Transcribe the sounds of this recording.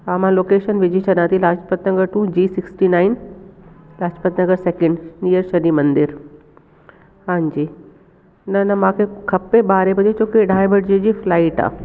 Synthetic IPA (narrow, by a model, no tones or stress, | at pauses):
aːmãloːkeːʃənʋɪd͡ʑʱit͡ɕʰɐɗãt̪ʰilaːt͡ʃpət̪nɐɡəɾʈũd͡ʑiːsɪksʈinaːɪn | laːd͡ʒpət̪nɐɡəɾsɛːkɪ̃ɳɖnijəɾʃɐɾimɐ̃nd̪ɪɾ | hãːɲd͡ʑiː | nɐnɐmãːkʰekʰɐpeɓaːɾebɐd͡ʑet͡ɕoːkiɖʱaːjbɐʈd͡ʑid͡ʑiːflaːɪʈa̰ː